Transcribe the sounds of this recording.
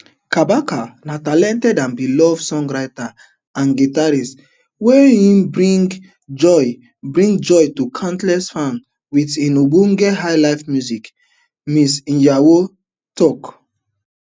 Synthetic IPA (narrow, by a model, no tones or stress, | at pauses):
kabakanatalɛ̃ntɛdãnbilɔvsɔ̃ŋɡɹaɪta | ãnɡitaɾis | weĩmbɹĩŋɡ | d͡ʒɔj | bɹĩŋɡd͡ʒɔjtukʰãntlɛsfãn | witĩnubũŋɡeɦajlaɪfmjuzik | misĩjawo | tɔk